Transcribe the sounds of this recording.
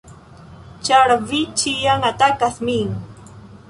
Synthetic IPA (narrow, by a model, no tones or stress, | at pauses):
t͡ʃaɾvit͡ʃijaŋat̪akaθmiŋ